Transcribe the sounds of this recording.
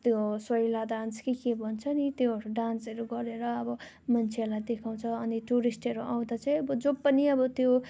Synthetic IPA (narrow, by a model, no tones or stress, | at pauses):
t̪joswʌilad̪anskikebʱʌnt͡sʰʌnit̪jeɦʌɾuɖansʌɾuɡʌɾeɾʌːbʌ | mʌnt͡sʰeʌrlajd̪ekʰaw̃t͡sʰʌːniʈuɾisʈɦʌɾuʔaw̃d̪at͡saĩʌbʌd͡zopːʌniʌbʌt̪jo